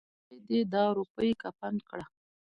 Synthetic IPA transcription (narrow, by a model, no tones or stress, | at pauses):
ed̪ed̪ɑɾupəjekapankɽa